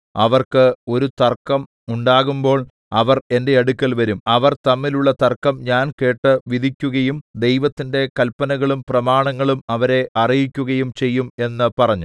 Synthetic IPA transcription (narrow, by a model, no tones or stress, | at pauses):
ɐʋɐrkɨo̞ɾut̪ɐrkːɐm | uɳɖaːɣumbo̞ːɭ | ɐʋɐre̞nde̞ɐɽukʲːɐlʋɐɾumɐʋɐrt̪ɐmːiluɭːɐt̪ɐrkɐmɲaːnke̞ːʈːɨʋiðʱikʲːuɣɐjumd̪e̞jʋɐt̪ːinde̞kɐlpɐnɐɣɐɭumprɐmaːɳɐŋːɐɭumɐʋɐɾe̞ʔɐrijikʲːuɣɐjumt͡ɕe̞jːume̞nːɨpɐrɐɲːu